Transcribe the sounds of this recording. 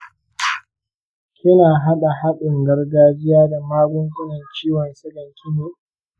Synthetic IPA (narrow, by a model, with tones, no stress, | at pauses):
kʲɪ˦naː˨ɦa˦ɗa˨ha˦ɗɪ˨ŋɡɐ˦rɡaː˦d͡ʒɪ˦jaː˦da˨maː˦ɡʷʊ˦ŋkʲʷʊ˦nɐ˨nt͡ʃiː˦wɔ˨nsɐ˦ɡɐ˨ŋkʲʰɪ˦noː˨